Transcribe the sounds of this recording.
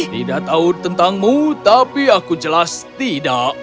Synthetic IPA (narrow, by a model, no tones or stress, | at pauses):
t̪idaʔt̪aut̪ənt̪aŋmut̪apiakud͡ʒəlast̪idaʔ